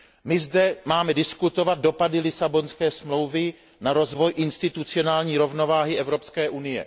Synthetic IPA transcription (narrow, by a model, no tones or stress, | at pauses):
mɪzdɛmaːmɛdɪskut̪o̞vad̪̚do̞padɪlɪsabo̞nskɛːsmlo̞wvɪ | naɾo̞zvo̞jʔɪnst̪ɪt̪ut͡sɪo̞naːlɲiːɾovno̞vaːɦɪʔɛvɾo̞pskɛːʔunɪjɛ̰